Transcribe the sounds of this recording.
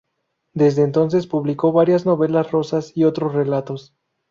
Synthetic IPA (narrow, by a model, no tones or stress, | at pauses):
d̪e̞zðeːnt̪o̞ns̬e̞spuβliko̞βaɾjazno̞βe̞lasro̞sasio̞t̪ɾo̞sre̞lat̪o̞s